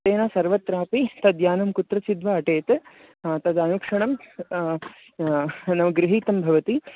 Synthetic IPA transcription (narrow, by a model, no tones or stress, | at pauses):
t̪eːnaːsɐɾʋɐt̪ɾaːpit̪ɐd̪jaːnɐmkut̪ɾɐt͡ʃid̪ʋaɐʈeːt̪ | t̪ɐd̪ɐnukʂɐɳɐm | nɐʋɐɡɾɪɦiːt̪ɐmbʱɐʋɐt̪i